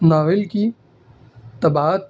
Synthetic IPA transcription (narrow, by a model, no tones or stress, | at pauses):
naːʋɪlki | t̪ɐbaːət̪̚